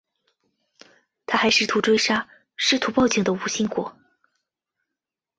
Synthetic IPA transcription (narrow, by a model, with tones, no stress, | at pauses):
t̪ʰa˥xa˧˥ɪʂɻ̩˥˩t̪ʰu˧˥ʈ͡ʂwe˥ɪʂa˥ | ʂɻ̩˥˩t̪ʰu˧˥pɑ˥˧˩ʊt͡ɕi˨˥˩ŋd̪ə˦˧u˧˩ɕi˥ŋkwɔ̰˨˧˩